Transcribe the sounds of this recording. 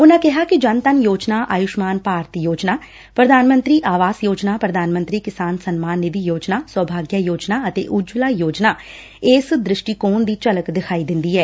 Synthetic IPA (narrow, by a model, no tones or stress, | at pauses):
ʊnãːkɛɦaːkɪd͡ʒənt̪ənjoːd͡ʒnaːʔaːjʊʃmaːnpaːɾt̪joːd͡ʒnaː | pɾəd̪ʱaːnmə̃nt̪ɾiːʔaːʋaːsjoːd͡ʒnaːpɾəd̪ʱaːnmə̃nt̪ɾiːkɪsaːnsənmaːnːɪʋiːjoːd͡ʒnaːswəːbʱaːɡjaːjoːd͡ʒnaːət̪ḛːʔʊd͡ʒlaːjoːd͡ʒnaː | eːsd̪ɾɪʃʈiːkoːnd̪iːt͡ʃələkd̪ɪkʰaːiːd̪ɪ̃nd̪iːɛː